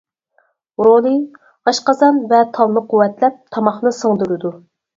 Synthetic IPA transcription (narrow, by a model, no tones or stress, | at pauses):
ɾolˠɨ | ɑʃqɑzɑnvɛt̪ʰɑlˠnɨqʰuwːɛt̪lɛp̚t̪ʰɑmɑχnɨsəŋd̪yɾɨd̪u